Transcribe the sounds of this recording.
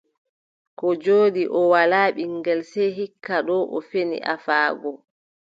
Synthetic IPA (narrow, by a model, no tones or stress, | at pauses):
kɔd͡ʒoːdiʔɔwalaːɓiŋɡɛlsɛɦikʰːaɗɔʔɔfenḭʔa̰faːɡɔ